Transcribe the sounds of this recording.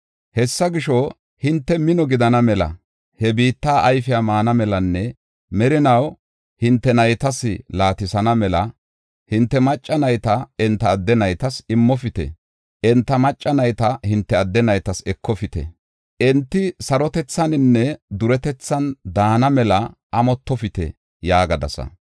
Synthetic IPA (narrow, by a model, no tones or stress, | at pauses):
hɛsːɐɡɪʃɔ | hɪnt̪ːɛmɪnɔɡɪd̪ɐnɐmɛlɐ̰ | hɛbiːt̪ːaːʔɐjfɪjamaːnɐmɛlɐnːɛ | mɛɾɪnɐw | hɪnt̪ːɛnɐjt̪ɐsɪlaːt̪ɪsɐnɐmɛlɐ | hɪnt̪ːɛmɐt͡ʃʼːɐnɐjt̪ɐɪnt̪ːɐːd̪ːɛnɐjt̪ɐsɪmːɔfɪt̪ɛ̰ | ʔɪnt̪ːɐmɐt͡ʃʼːɐnɐjt̪ɐhɪnt̪ːɛɐd̪ːɛnɐjt̪ɐsɛkːɔfɪt̪ɛ̰ | ʔɛnt̪ːɪsɐɾɔt̪ɛt͡sːɐnɪnːɛd̪ʊɾɛt̪ɛt͡sːɐnd̪aːnɐmɛlɐʔɐmɔt̪ːɔfɪt̪ɛ̰ | jaːɡɐd̪ɐ̰sɐ̰